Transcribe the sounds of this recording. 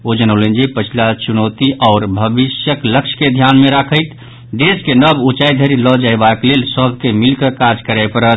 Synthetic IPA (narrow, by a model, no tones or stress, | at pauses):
od͡ʒənəʊlənd͡ʒepət͡ʃʰilat͡ʃunot̪iʔɔʊɾbʱəbisjəkləkʃʰked̪ʱjanmeɾakʰəɪt̪ | ɖ̪eskenəbut͡ʃajd̪ʱəɾilɔd͡ʒaebaklelsəbʱkemilkəkad͡ʒkəɾaɪpəɾə